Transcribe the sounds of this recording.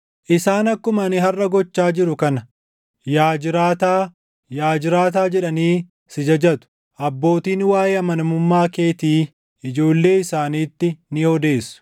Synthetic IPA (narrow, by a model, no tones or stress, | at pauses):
ʔɪsaːnɐkːʊmɐnɪɦɐrːɐɡɔt͡ʃːaːd͡ʒɪɾʊkɐnɐ | jaːd͡ʒɪɾaːt̪aː | jaːd͡ʒɪɾaːt̪̬aːd͡ʒɛᶑɐniː | sɪd͡ʒɐd͡ʒɐt̪ʊ̥ | ʔɐbːo̞ːt̪iːnwaːjeːɐmɐnɐmʊmːaːke̞ːt̪iː | ɪd͡ʒo̞ːlːe̞ːɪsaːniːt̪ːɪnɪhɔd̪e̞ːsːʊ̥